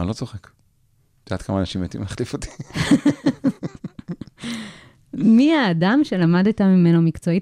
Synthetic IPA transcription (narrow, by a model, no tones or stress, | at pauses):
nlot͡soχek | d̪aːt̪̚kamaːnaʃimjet̪ḭmaχlifot̪i̥ | miaːdamʃe̞lamadit̪amime̞nomikt͡so̞i